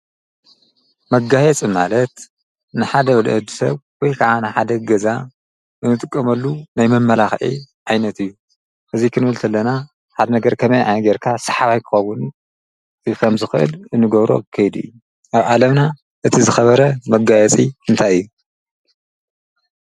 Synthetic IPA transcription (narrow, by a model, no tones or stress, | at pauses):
mɐɡajɛt͡sʼimalɐt̪ | nɨħad̪ɐwɐl̰ʔɨd̪isɐβwɔjkʰaʕanɨħad̪ɐɡɐza | ɨnːɨt̪ʼɨkʼːɐmɐlːunajmɐmːɐlaxʕḭʕajnɐt̪ʰɨjːu | ʔɨzikʰɨnbɨlt̪ʰɐlːɐna | ħad̪ɐnɐɡɐɾkʰɐmɐjʕa̰jnɡeɾkʰasɐ̥ħaβajkʰɨ̥xɐwʊn | kʰɐmzɨxɨʔɨ̰lɨnːɨɡɐβɾo̞̰kʰːɐjd̪ɨ̰jːu | ʔaβʔalɐmna | ʔɨt̪ʰizɨxɐβɐɾɐmɐɡajɛt͡sʼiɨnt̪ʰajɨjːu